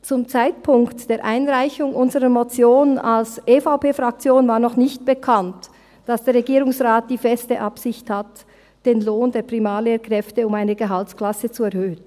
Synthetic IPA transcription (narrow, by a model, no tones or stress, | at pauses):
t͡sʊmt͡saɪt̚pʰʊŋktd̥eːɐɾʔaɪnʁaɪçʊŋʔʊnzəʁəmot͡sjoːna̰lsʔeːfaʊpeːfʁak̚t͡sjoːnvaːɐnɔχnɪçt̚b̥əkʰant | d̥asd̥eːɐɾʁɛɡiːɾʊŋsʁaːt̚d̥iːfɛstəʔapsɪçthat | d̥eːnloːndeːɐpʁ̥imaːleːkʁ̥ɛftəʊmaɪnəɡəɦaltskl̥asət͡suɛɐhøːn